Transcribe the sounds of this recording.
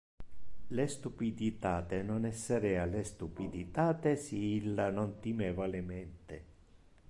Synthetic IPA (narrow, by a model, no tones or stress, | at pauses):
lest̪upid̪it̪aːt̪enɔnɛsːeɾɛalest̪upid̪it̪aːt̪esiilːanɔnt̪imɛːvalemɛnt̪e